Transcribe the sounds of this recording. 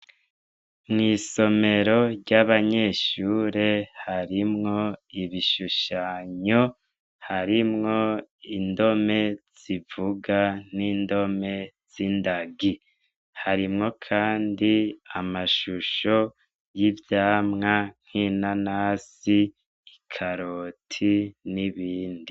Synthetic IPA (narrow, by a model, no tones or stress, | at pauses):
mŋiːso̞me̞ɾo̞ɾɟaβaɲe̞ʃuːɾehaɾimŋo̞iβiʃuʃaɲo̞ | haɾimŋo̞indo̞me̞z̥ivuɡaniːndo̞me̞ | z̥indaɡi | haɾimŋo̞kʰaːndiamaʃuʃo̞ | jivjaːmŋaŋ̥hinanaːsiː | kʰaɾotʰiniβiːndi